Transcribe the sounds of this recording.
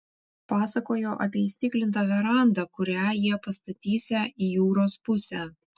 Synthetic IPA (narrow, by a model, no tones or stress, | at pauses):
pɑːsɐkoːjoːʔɐ̰pʲiɛisʲt̪ʲɪklʲɪnt̪ɐːʋʲɛɾɑˑnd̪ɐkʊɾʲæːjiɛpɐst̪ɐt̪ʲiːsʲɛʔiːjuːɾoːspʊsʲɛæː